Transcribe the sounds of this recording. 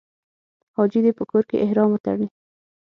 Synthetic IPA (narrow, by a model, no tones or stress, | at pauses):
hɑd͡ʒid̪epəkoɾkḛʔɪhɾɑmət̪a̰ɽni